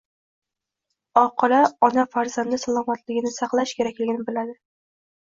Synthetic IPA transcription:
ɒqʰɨlaɒnafaɾzand̪ɪsalˠɒmat̪lɪɡʲɪnɪsɑqlˠaʃkʲʰe̞ɾakʲlɪɡʲɪnɪbɪlad̪ɪ

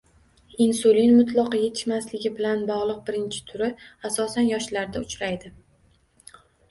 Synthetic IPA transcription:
insulinmʊt̪lˠɒqɑje̞t̪ʰɪ̥ʃmaslɪɡʲɪbɪlanbɒʁlˠɨq̚bɪɾɪnt͡ʃʰɪ̥t̪ʰʊɾɪasɒsanjɒʃlaɾd̪aʊt͡ʃɾajd̪ɪ

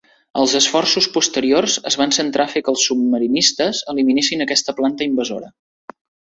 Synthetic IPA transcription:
əlˠzəsfɔrsuspust̪əɾiorzəzβansənt̪ɾʔafekəlˠsːub̚məɾinist̪əzəliminesinəkɛst̪əplant̪əimbəzo̰ɾə

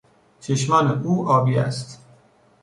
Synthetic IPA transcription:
t͡ʃʰeʃmɒːneʔuːʔɒːbiːæ̰st̪

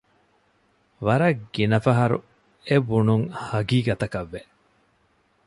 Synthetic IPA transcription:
ʋɐɾɐɡinɐfɐɦɐɾṵ | ebunuŋhɐɡiːɡɐt̪ɐkɐʋːe

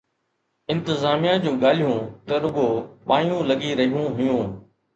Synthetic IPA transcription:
ɪ̃nt̪ɪzaːmijãd͡ʑũːɠaːl̤ijũt̪ɐɾʊɡoːɓaːjũlɐɠiɾɐɦijũɦʊjũː

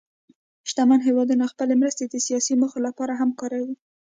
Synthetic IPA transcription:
ʃt̪amanɦewɑd̪unaxpəlemɾəst̪ed̪əsijɑsiməxolapɑɾaɦamkɑɾawi

